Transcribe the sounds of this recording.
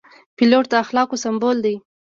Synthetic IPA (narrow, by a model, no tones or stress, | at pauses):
piloʈ̚t̪aːxlɑkosambold̪aj